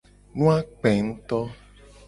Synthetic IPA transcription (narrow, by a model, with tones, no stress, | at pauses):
nũ˦a˦k͡pɛ˨ŋ̩̃˦t̪ɔ˦